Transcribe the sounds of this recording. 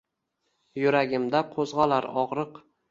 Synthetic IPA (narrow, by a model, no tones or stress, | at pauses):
jʊɾaɡʲɪmd̪aqʰozʁɑlaɾɒʁɾɨq